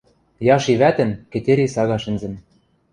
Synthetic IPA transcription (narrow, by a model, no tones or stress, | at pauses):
jɑʃiβæt̪ɘ̆nkɘ̆t̪ʲeɾʲisɑɣɑʃɘ̆nzɘ̆n